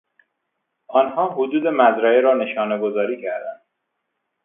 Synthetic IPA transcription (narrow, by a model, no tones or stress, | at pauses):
ʔɒnhɒːɦod̪uːd̪e̞mæzɾæeɾɒːne̞ʃɒːneɡozɒːɾiːcʰæɾd̪ænd̪̥